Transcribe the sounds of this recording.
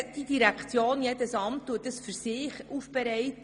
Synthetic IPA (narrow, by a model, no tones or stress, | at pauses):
d̥idiɾækʰt͡sjoːnjedəsɑmtːuət̚ːəsfyɾsɪːχʔufb̥ɛɾɛɪt